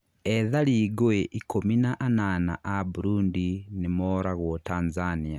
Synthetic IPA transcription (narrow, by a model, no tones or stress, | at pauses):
ɛðaɾiɡoeʔikominaʔanana̰ʔabuɾundinemɔɾaɣwɔtanzania